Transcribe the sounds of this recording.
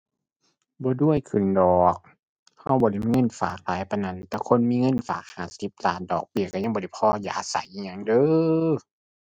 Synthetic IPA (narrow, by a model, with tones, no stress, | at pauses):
bɔː˧˦du˧˥˨əjkʰɯ˨˩ndɔː˨˩k̚ | ha˧˩wbɔː˧˦la˧˨m˧i˧ŋɤ˧˥˨nfaː˨˩k̚laː˨˦jpa˧jna˧˥˨nt̪ɛː˧˩kʰo˧˥˨nmiː˧˥˨ŋɤ˧˥˨nfa̰ː˨˩k̚haː˨˧˩si˧˦p̚laː˧˩ndɔ̰ː˨˩k̚bi˧˩˨ka˧˩ɲa˧˨ŋbɔː˧la˧˩jpʰɔː˧jaː˧˩ʔsa̰˨˦jʔi˧ɲa˧˨ŋdɤː˧˦˨